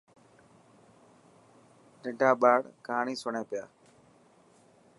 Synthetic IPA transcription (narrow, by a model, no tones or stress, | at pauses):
ɗɪɳɖaːɓaːɽkaːɳiːsʊɳẽːpɪjaː